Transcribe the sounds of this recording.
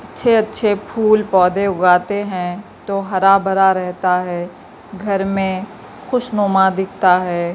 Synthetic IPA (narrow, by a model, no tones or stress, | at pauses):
ɐtːʃʰeɐtːʃʰepʰuːlpɔːd̪eʊɡaːt̪eɦɛ̃t̪oɦɐɾabɐɾaɾɛɦt̪aɦɛː | ɡʱɐɾmẽ | xʊʃnoːmãd̪ɪk̚ʰt̪aɦɛː